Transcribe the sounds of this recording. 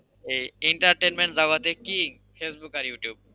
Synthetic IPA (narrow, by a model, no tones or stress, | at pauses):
ejeɳʈaɾʈenmeɳʈzaɡat̪ekiŋ | fesbukaɾjuʈjub̚